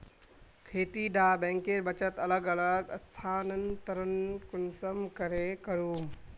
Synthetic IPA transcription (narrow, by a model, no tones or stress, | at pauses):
kʰeːt̪iɖaːbɛ̃ːŋkeɾbət͡ʃət̪ɐləɡələɡəst̪ʰaːnənt̪ɐɾənkʊnsəmkəɾekəɾuːm